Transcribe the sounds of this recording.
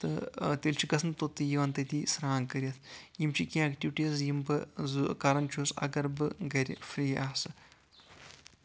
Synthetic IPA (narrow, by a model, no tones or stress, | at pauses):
t̪ɨt̪elt͡ʃʰiɡɐsnt̪ot̪ːɨjiʋɐnt̪ɐt̪isɾaːŋkɐɾʲjɐt̪ʰjimt͡ʃʰikĩɐkʈiʋiʈiɐs̬jimbɨzukaːɾɐnt͡ʃʰuːsɐ̰ɡɐɾbɨɡɐɾʲfɾiːaːsɨ